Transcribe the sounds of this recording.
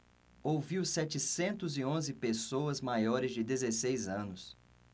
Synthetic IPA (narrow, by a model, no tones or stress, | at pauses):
owviwsɛt͡ʃɪsẽnt̪ʊzɪõzɪpesoɐzmajɔɾɪzd͡ʒɪd̪ezesejzɐ̃nʊs